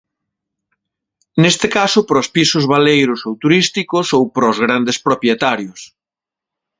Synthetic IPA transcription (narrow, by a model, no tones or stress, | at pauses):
nest̪ɪkasʊpɾɔspisʊzβalejɾʊsowt̪uɾist̪ikʊsowpɾɔzɣ̞ɾand̪espɾopjet̪aɾjʊs